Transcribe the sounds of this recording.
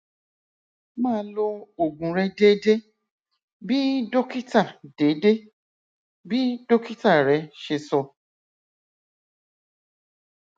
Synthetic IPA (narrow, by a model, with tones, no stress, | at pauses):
mãː˦lo˧o˨ɡũ˨ɾɛ˧de˦de˦ | bi˦do˦ki˦ta˦˨de˨˦de˦ | bi˦do˦ki˦ta˦˨ɾɛ˨˦ʃe˧sɔ˧